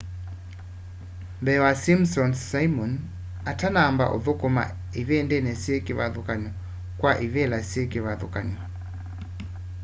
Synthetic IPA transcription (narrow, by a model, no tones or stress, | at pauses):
mbɛwasimsɔnsaimɔn | atanaːmba̰ʔo̰ðɔkɔma̰ | ivɛndɛnɛsiekiβa̰ðukaɲɔ | kwaʔivɛlasiekiβaðɔ̰kaɲɔ